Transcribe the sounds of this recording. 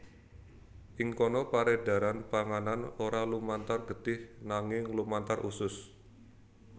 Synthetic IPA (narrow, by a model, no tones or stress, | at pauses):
ʔɪŋkonɔpaɾeda̤ɾanpaŋananoɾalumant̪arɡəd̪ɪhnaŋɪŋlumant̪arʔusʊs